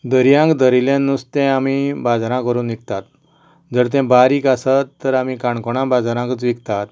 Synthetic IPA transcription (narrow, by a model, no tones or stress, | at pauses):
d̪əɾjãkd̪əɾiljãnːust̪ɛ̃amibad͡zɾãkəɾuːnikt̪at̪ | d͡zəɾt̪̬ɛ̃baɾiːkasət̪ːəɾamikaɳkɔɽ̃ãbad͡zaɾãkət͡sʋikt̪at̪